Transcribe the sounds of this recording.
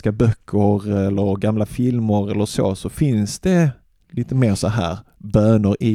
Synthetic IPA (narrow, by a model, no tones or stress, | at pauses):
kabœkʰːəɾɛlːəɾɡamlafɪlmʊɾɛlːəɾʂo̰ːsɔfɪnsd̪ɛ | liːt̪əmeːɾʂɔɦæ̰ːɾbøːnəɾʔɪ